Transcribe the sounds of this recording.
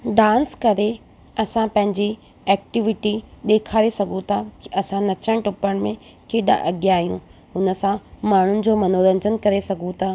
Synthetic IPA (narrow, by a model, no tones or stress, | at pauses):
ɖãːnskɐɾe | ɐsãpɐ̃ɦɪ̃ɲd͡ʑi | ɛːk̚ʈɪʋɪʈiɗeːkʰaːɾesɐɡʱũt̪ʰakɪʔɐsãnɐt͡ɕəɽ̃ʈʊpəɽ̃mẽ | keːɗa̰ʔɐɠjaːɦijũ | ʊnə̆sãmaːɳ̤ʊnɪ̆d͡ʑoːmɐnoːɾə̃ɲd͡ʑənkɐɾesɐɡʱũt̪ʰaː